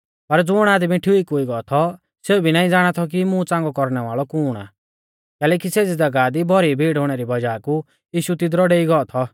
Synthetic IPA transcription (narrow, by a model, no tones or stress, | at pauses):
pɐɾd͡zʊɽ̃aːd̪mĩʈʰiuikoːiɡɔɔt̪ʰɔ | seubʱinaːĩd͡zaːɽ̃at̪ʰɔk̬imũt͡sãːŋɡɔkɔɾñɛʋaːɭɔkuːɽ̃a̰ | kɛːlɛːkiseːd͡zid͡zɐɡaːd̪ibʱɔɾibʱiːɽɦoːɽ̃ɛɾibɐd͡ʒaːku | jiːʃut̪ɪd̪ɾɔɖeːiɡɔɔt̪ʰɔ